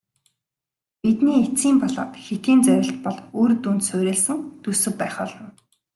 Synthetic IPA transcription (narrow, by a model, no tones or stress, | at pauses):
pit̪niːet͡siːmpɔɮɔ̰ːt̪xet̪iːnt͡sæɾʲɪ̆ɬt̪pɔɮoːrt̪unt̪sʊwɾʲeːɮsɘ̆ŋt̪usɵ̆k̚pæːχɔːɮɞ̆n